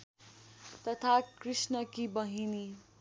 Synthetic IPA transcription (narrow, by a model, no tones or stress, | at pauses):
t̪ʌt̪ʰakrisnʌkibʌɦini